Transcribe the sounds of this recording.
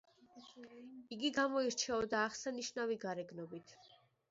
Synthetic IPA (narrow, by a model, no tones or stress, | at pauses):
iɡiɡamɔiɾt͡ʃʰɛɔd̪aːχsaniʃnaviɡaɾɛɡnɔbit̪ʰ